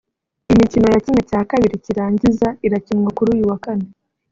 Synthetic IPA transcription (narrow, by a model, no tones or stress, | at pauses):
imicino̞jacimwacaːkaβiɾiciɾaːɲɟizaiɾacimwakuɾuːjuwakane